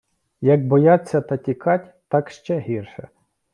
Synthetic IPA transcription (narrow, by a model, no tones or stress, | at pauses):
jɐɡ̚bɔjɑt͡sʲːɐt̪ɐtʲikɑtʲt̪ɑkʃt͡ʃɛɦirʃɛ̰